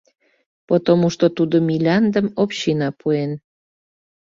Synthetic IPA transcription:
pot̪omuʃt̪ot̪ud̪omʲilʲɑnd̪əmopɕinɑpuen

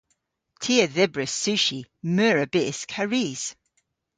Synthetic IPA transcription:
tʰiːəðɪbɹəsːʉʃimœːɹəbɪskʰaɹiz̥

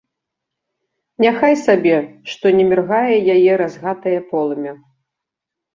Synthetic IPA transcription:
nʲaxajsabʲɛʂt̪ɔnʲɛmʲɛrɣajɛjajɛɾazɣat̪ɐjɐpɔlˠɐmʲɛ

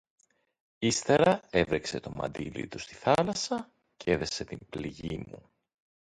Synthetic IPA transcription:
ist̪e̞ɾɐe̞vɾekse̞t̪o̞mɐ̰nd̪ilḭt̪ust̪i̥θɐlɐsɐ | cee̞ðe̞se̞t̪imbliʝimṵ

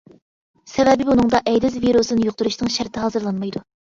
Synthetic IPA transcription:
sɛvɛbɪbunɨŋd̪ɑʔɛjd̪ɪzviɾusɨnɪjoq̚t̪uɾuʃnɨŋʃæɾt̪ʰɪɦɑːzɨɾlˠɑnmɑjd̪u

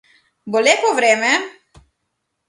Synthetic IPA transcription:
bɔlekɔʋɾeːmɛ

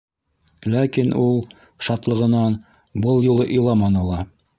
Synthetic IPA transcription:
lækinʔulˠ | ʃɑt̪lˠɤ̆ʁɤ̆nɑn | bɤlˠjulˠɤʔŏjlˠɑmɑnɤ̆lˠɑ

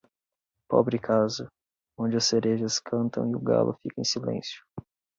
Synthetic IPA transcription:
pɔbɾɪkʰazʊ | õd͡ʒɪɐseɾeʒɐskʰɐ̃nt̪ʰɐ̃w̃ɪʊɡa̰lʔʊfikɐẽsilḛ̃sjʊ̥

